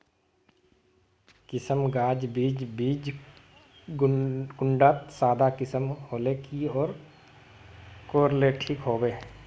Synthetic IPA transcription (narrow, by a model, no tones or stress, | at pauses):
kɪsəmɡaːd͡ʒbiːd͡ʒbiːd͡ʒ | ɡɡʊɳɖaːt̪saːd̪akɪsəmɦoːleːkiɔːɾ | koːɾleʈʰiːkɦoːbeː